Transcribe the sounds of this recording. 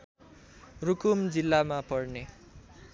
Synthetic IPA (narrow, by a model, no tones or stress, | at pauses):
rukumd͡zilːamapʌrne